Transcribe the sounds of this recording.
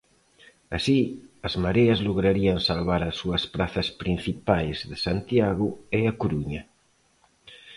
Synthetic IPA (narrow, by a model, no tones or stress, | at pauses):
asiɐzmaɾeɐzloɣɾaɾiɐnsalβaɾasːuɐspɾaθɐspɾin̟θipajzðesant̪jaɣʊeakoɾuɲɐ